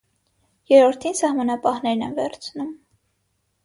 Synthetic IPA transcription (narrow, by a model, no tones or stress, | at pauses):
jɛɾɔɾt̪ʰinsɑhmɑnɑpɑhn̪ɛɾnɛ̰nvɛɾt͡sʰnum